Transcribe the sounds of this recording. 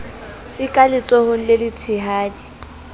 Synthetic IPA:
ɪkʼalɪt͡sʼɔhʊŋ̩lelɪt͡sʰɪɦaːdi

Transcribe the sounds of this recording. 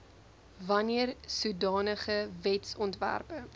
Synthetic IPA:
vɐniərsudɑːnəχəvɛtsɔntvæ̰rpə

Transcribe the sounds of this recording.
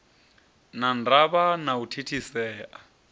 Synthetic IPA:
nandaβanautʰitʰisɛːʔa

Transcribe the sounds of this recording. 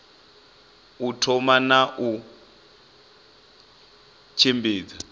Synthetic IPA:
utʰɔmanaʔu | t͡ʃʰimbiːd͡za

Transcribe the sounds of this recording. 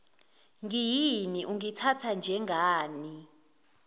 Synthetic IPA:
ŋijiniʔuŋitʰatʰand͡ʒʱɛŋaːni

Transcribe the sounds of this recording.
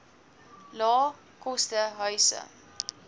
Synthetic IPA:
lɑː | kɔstəɦœɥsə̰

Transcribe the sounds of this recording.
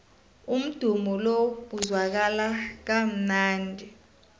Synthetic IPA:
um̩d̥ʱumɔlob̥ʱuzwak̬alak̬am̩naːndʱi

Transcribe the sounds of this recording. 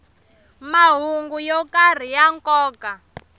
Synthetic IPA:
maɦuŋɡujɔkar̤ijaŋkɔːka

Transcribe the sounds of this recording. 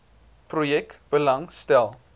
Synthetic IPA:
projɛktb̥əlɐŋstɛlˠ

